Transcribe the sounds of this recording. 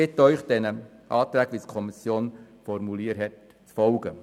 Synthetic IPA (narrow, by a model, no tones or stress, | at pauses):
ɪtːœʏχd̥ɛnə | ʔɑːt̪ɾæːkʋitkʰɔmisjoːn | fɔɾmuliəɾɦɛt | t͡sfɔlɡə